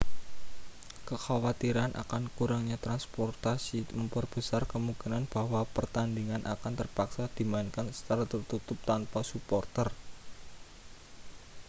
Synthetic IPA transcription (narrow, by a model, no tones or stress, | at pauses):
kəxawat̪iɾanʔa̰kankuɾaŋɲat̪ɾanspɔrt̪asiməmpərb̥əsarkəmukənanb̥ahwapərt̪andiŋanʔakant̪ərpaksad̪̥i̤maɪnkansə̥t͡ʃ̪aɾat̪ərt̪ut̪ʊp̚t̪anpasupɔrt̪ər